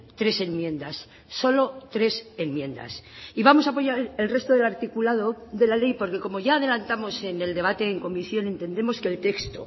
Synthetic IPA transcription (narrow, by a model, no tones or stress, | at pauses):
t̪ɾe̞se̞nmjẽ̞nd̪asː | o̞lo̞t̪ɾe̞se̞nmjẽ̞nd̪a̰siβamo̞saːpo̞ʝaɾelre̞st̪oðe̞laɾt̪ikulað̞oðe̞lale̞jpo̞ɾke̞ko̞mo̞ʝaːð̞e̞lant̪amo̞se̞ne̞ld̪e̞β̞at̪e̞ːŋko̞miθjo̞nẽ̞nt̪e̞nd̪e̞mo̞ske̞ːlt̪e̞kst̪o̰